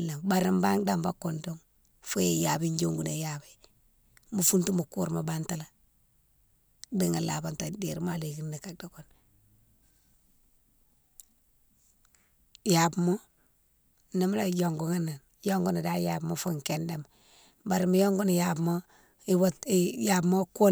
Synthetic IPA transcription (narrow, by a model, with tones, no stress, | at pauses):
la˨mba˨ɾi˦mba˦ŋda˦mba˦ku˨ndo˦ŋ | fo˦je˨ja˨bi˦ɲd͡ʒo˦ŋɡu˨ne˨ja˨bi˦ | mu˨fu˦ntu˦mu˨ku˦ɾma˨ba˦nta˦la˨ | di˦ŋa˨la˨ba˨nta˨de˨ɾma˨le˨ki˦nni˨ka˨da˨ko˨n | ja˨bmo˦ | ni˦m˦la˦˨jo˨ŋɡu˨ŋa˦nːa˨n | jo˦ŋɡu˦ni˨da˦ja˨bmo˦fu˦ŋ˨ke˦nda˨m | ba˨ɾi˨mi˦jo˦ŋɡu˦ni˨ja˨bmo˦ | i˦wja˨bmo˦ko˦